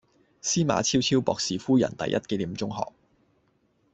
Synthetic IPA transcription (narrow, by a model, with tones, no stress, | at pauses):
siː˥ma̰ː˨˧t͡sʰiː˥wt͡sʰi˥wpɔː˨ksiː˨fuː˥jɐ̰˨˩nt̪ɐ̰˨jʔɐ̰˥t̚kɛ˧li˨˩mt͡sʊ˥ŋɦɔ̰ː˨k̚